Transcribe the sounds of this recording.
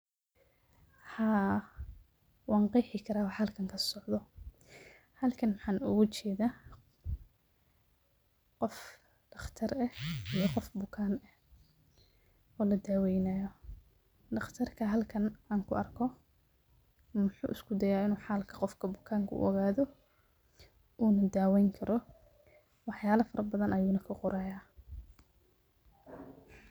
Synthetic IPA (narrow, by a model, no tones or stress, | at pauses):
ħaː | wʔɑːɴqɑjħɪkʰɐɾaːwɑħɐlkʰɐŋkʰɐsɔʕðɔ | hɐlkʰɐnmħaːnʊɣʊt͡ʃʰɛːðaː | qɔf | ɖ̥ɑχt̪ʰɐrɐhijɔqɔfbʊkʰaːnɐh | ɔːlɐd̪aːwɛjnɐjɔ | ɖɑχt̪ʰɐrkʰɐɦɐlkʰɐnaːŋkʰʊɐrkʰɔ | mʊħṵːʔɪskʰʊd̪ɐjaːɪnuːħaːlkʰɐ̥qɔfkʰɐbʊkʰaːŋkʰɐʔʊ̰ʔɔɣaːðɔ | ʔuːnɐd̪aːwɛjŋkʰɐɾʔɔ | wɑħjaːlɐfɐɾʔɐbɐðɐnʔɐjuːnɐkʰɐqʊɾaːjaː